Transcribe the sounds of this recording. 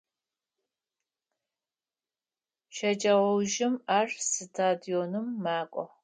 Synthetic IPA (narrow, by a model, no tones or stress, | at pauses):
ʃɐd͡ʒʼɐʁʷɔwʒɪmaːrsɨtʰaːdijoːnɨmːaːkʷʼɔ